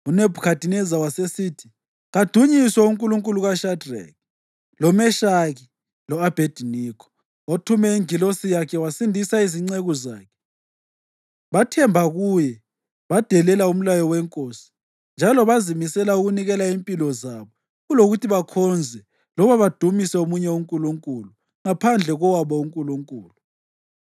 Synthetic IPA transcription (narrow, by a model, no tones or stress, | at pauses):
unebʱukʰatinɛzawasesitʰi̥ | ɣad̥ʱuɲiswaɔuŋkʼuluŋkʼuluɣaʃadrɛ̰k̚ | lɔmɛʃaɣi | lɔab̥ʱed̥ʱinikʰɔ̥ | watʰumɛiŋilosijakʰɛwasindʱisaiziŋ͡ǀeɣuzaːkʰɛ | βatʰɛmbʱaɣuːjɛ | βad̥ʱɛlɛlaum̩lajɔwɛŋkʼoːsi̥ | nd͡ʒʱalɔβazimisɛlauɣuniɣɛlaimpʼilɔzaβɔ | ɣuloɣutʰiβakʰɔnd͡zʱɛ | lɔβaβad̥ʱumisɛomuɲɛuŋkʼuluŋkʼulu | ŋapʰand͡ɮʱɛɣɔwaβɔuŋkʼuluŋkʼṵːlu